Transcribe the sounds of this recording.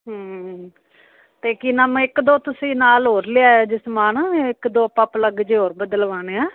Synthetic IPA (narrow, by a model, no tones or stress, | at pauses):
ɦə | t̪eːkinəmɪkd̪oːt̪ʊsĩːnaːlɦoːɾleaːeːd͡ʒɪsmaːnɪkd̪oːpəpləɡd͡ʒeːɦoːɾbəd̪əlʋaːneːaː